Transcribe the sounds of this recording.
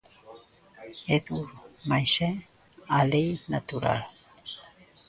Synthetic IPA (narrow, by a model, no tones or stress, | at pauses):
eðumajse | alejnat̪uɾa̰l